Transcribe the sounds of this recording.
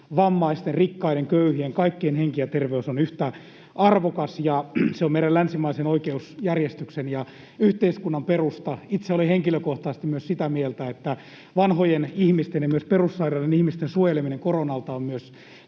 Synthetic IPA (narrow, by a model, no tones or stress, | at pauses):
ʋɑmːɑist̪enrikːɑiɾeŋkøyhieŋkɑikːeːnheŋkiæt̪erʋeusonyht̪æ | ɑrʋokɑsjɑseomeiɾɑlænsimæisenoikeusjærjest̪yksenjɑ | yht̪eiskunːɑmperust̪ɑit̪seoliheŋkiløkoht̪ɑsest̪imyøssit̪æmielt̪æet̪ːæ | ʋɑnhojenihmist̪enjɑmyøsperusːɑirɑinenihmist̪ensuojelemineŋkoronɑlt̪ɑommyøs